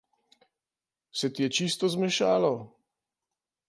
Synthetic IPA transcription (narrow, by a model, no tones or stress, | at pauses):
sɛt̪ijɛt͡ʃist̪ɔzmɛʃaːlɔ